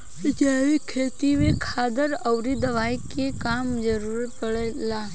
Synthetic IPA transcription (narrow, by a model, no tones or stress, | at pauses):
d͡ʒaʋekʰet̪iʋekʰad̪əɾəʋɾid̪əʋajkekamd͡ʒəɾuɾpəɭela